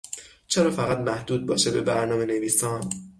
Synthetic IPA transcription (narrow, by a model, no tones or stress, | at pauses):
t͡ʃʰe̞ɾɒːfæɣæt̪mæhd̪uːd̪̚bɒːʃe̞be̞bæɾnɒːme̞ne̞viːsɒːn